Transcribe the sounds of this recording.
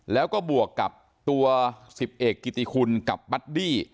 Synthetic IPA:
lɛː˦˥wkɔː˥˩bu˨˩əkːa˨˩p̚ | t̪u˧ɐsi˨˩p̚ʔeː˨˩kːi˨˩t̪i˧kʰu˧nka˨˩p̚ːa˦˥t̪̚diː˥˩

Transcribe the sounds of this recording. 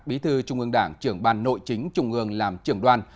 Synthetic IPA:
k̚ɓi˨˦t̪ʰɨ˧t͡ɕʊ˧ŋ͡mʔɨ˧əŋɗaː˧˩ŋt͡ɕɨ˧˩əŋɓaː˧nːo̰˧˨jt͡ɕï˨˦ŋ̟t͡ɕʊ˧ŋ͡mʔɨ˧˩əŋlaː˨˩mt͡ɕɨ˧˩əŋɗwaː˧n

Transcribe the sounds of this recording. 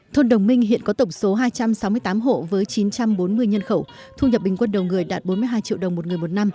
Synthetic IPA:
t̪ʰo˧nɗə˨˩wŋ͡mmï˧ŋ̟ɦḭ˧˨ənkɔ˨˦t̪ə˧˩wŋ͡mso˨˦ɦaː˧jt͡ɕa˧msa˨˦wmɨ˧əjt̪aː˨˦mɦo̰˧˨vəː˨˦jt͡ɕi˨˦nt͡ɕa˧mɓo˨˦nmɨ˧əjɲə˧nxə˧˩w | t̪ʰu˧ɲə˨˩p̚ɓï˨˩ŋ̟kwə˧nɗə˨˩wŋ͡mŋɨ˨˩əjɗaː˨˩t̚ɓo˨˦nmɨ˧ɦaː˧jt͡ɕḭ˧˨wɗə˨˩wŋ͡mmo˨˩ŋɨ˨˩əmo˨˩t̚na˧m

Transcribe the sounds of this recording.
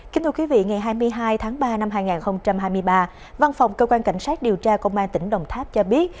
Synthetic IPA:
ki˨˦t̪ʰɨ˧kwi˨˦vḭ˧˨ŋa˨˩jɦaː˧jmɨ˧əjɦaː˧jt̪ʰaː˨˦ŋɓaː˧na˧mɦaː˧jŋaː˨˩nxə˧wŋ͡mt͡ɕa˧mhaː˧jmɨ˧əjɓaː˧ | va˧nfa˨˩wŋ͡mkəː˧kwaː˧nka̰˧˩jŋ̟saː˦˥t̚ɗi˨˩əwt͡ɕaː˧kə˧wŋ͡mʔaː˧nt̪ï˧˩ŋ̟ɗə˨˩wŋ͡mt̪ʰaː˦˥p̚t͡ɕɔ˧ɓi˦˥ət̚

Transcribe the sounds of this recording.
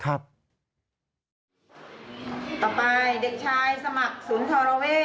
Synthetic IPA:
kʰɾa˦˥p̚ | t̪ɔː˨˩pa˧jde˨˩k̚t͡ɕʰaː˧jsa˧ma˨˩k̚suː˩˦nt̪ʰɔː˧ɾa˧weː˥˩

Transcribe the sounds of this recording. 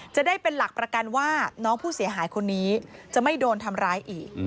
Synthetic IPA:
t͡ɕa˨˩ʔdaː˥˩jpe˧nla˨˩k̚pɾa˧ka˧nwaː˥˩nɔː˦˥ŋpʰuː˥˩si˨˩˦ɐɦaː˩˦jkʰo˧nːiː˦˥t͡ɕa˨˩ma˥˩jdoː˧nt̪ʰa˧mɾaː˦˥jʔiː˨˩k̚

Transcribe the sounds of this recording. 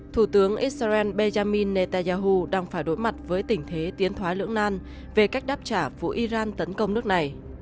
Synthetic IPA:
t̪ʰu˧˩t̪ɨ˨˦əŋʔi˦˥t̚sʔɛ˧nɓe˧zaː˧mi˧nːe˧˩t̪aː˧zaː˧ɦu˧ɗaː˧ŋfaː˧˩jɗo˨˦jma˨˩t̚vəː˨˦jt̪ï˧˩ŋ̟t̪ʰe˨˦t̪i˨˦ənt̪ʰwaː˨˦lɨ̰˧˥əŋnaː˧n | ve˨˩ka˦˥jk̚ɗaː˦˥p̚t͡ɕaː˧˩vṵ˧˥ʔi˧zaː˧nt̪ə˨˦nkə˧wŋ͡mnɨ˦˥ək̚na˨˩j

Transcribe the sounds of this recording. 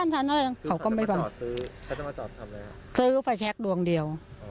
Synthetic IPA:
aː˥˩nt̪ʰaː˧˩nʰa˥˩˧kʰa˧˦wkɔː˥˩ma˥˩jpʰa˧n˧˦˨ | sɯː˦˥fa˧jt͡ɕʰɛ˦˥k̚du˧əŋdi˧əw

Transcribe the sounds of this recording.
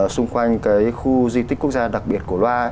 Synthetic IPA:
sʊ˧ŋ͡mkwa˧jŋ̟kaː˨˦jxu˧zwi˧t̪i˦˥k̟ku˦˥ək̚zaː˧ɗa˨˩k̚ɓi˨˩ət̚ku˧˩əlwaː˧

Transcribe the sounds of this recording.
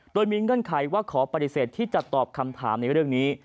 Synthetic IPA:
doː˧jmiː˧ŋɯ˥˩ənkʰa˨˩˦jwaː˥˩kʰɔː˩˦pa˧t̪i˨˩seː˨˩t̪ʰːiː˥˩t͡ɕa˨˩t̪ɔː˨˩p̚kʰa˧mt̪ʰa̰ː˩˦mna˧jɾɯ˥˩əŋniː˦˥

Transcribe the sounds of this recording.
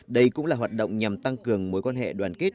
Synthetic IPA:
ɗə˧jkʊ̰˧˥ŋ͡mlaː˨˩ɦwaː˨˩t̚ɗo̰˧˨wŋ͡mɲa˨˩mt̪a˧ŋkɨ˨˩əŋmo˨˦jkɔ˧nɦɛ̰˧˨ɗwaː˨˩nke˦˥t̚

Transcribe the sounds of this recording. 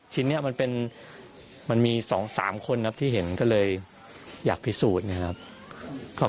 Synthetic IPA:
t͡ɕʰi˦˥nːi˦˥ɐma˧npe˧n | ma˧nmiː˧sɔ̰ː˩˦ŋsa̰ː˩˦mkʰo˧nkʰa˦˥p̚t̪ʰiː˥˩ɦe˩˦nkɔː˥˩lɤː˧j | jaː˨˩k̚pʰi˦˥suː˨˩t̪̚ni˥˩ɐ˩kʰa˦˥p̚ | kɔː˥˩

